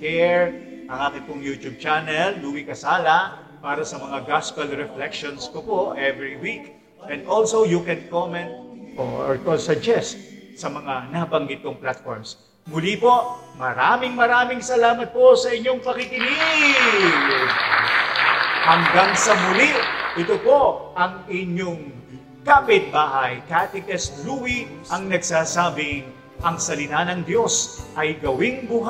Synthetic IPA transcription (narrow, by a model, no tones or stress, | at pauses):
kɛɹ | ʔɐŋʔaːkɪnpʊŋjut̪ub̚t͡ʃanɛlːuːwikɐsaːlɐ | paːɾɐsɐmɐŋaɡaskɐlɾɛflɛkʃonskopoʔɛvɹiwik | ʔɛ̃nd̪ʔolsowjukɛnkomɛ̃nt̪̚o̰ɹkosɐd͡ʒɛst̪̚sɐmɐŋanɐɐbɐŋɡɪt̪̚poŋplat̪̚fo̰ɹms | mʊlipo̞ʔ | mɐɾamɪŋmɐɾaːmɪŋsɐlaːmɐt̪̚po̞sɐɪɲːo̞ŋpɐkikɪnɪ | ɡ | hɐŋɡaŋsɐmʊliʔʔɪt̪opo̞ʔʔɐŋɪɲːoŋ | kapɪt̪̚baːʔɐjkat̪ɛkɛsɾuwiʔɐŋnɐɡsaːsaːbɪŋ | ʔɐŋsɐlɪt̪anɐŋd̪jo̞sʔɐjɡɐwɪŋɡʊɦa